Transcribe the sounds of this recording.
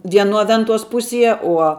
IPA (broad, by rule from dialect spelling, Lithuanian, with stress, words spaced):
ʋʲiɛˈnuɔ ˈʋʲɛntuɔs ˈpʊsʲiɛ ˈuɔ